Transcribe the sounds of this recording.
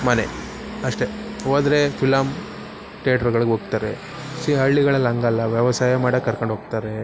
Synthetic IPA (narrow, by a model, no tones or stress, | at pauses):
mɐnḛ | ɐʂʈe̞oːd̪ɾepʰilam | ʈeaʈɐɾɡɐɭɡeɦoːɡt̪aːɾḛ | siɐɭːiɡɐɭɐlːɐŋɡɐlːɐʋjɐʋɐsaːjɐmaːɽɐkːɐɾkoɳɖʱɦoːɡt̪aːɾe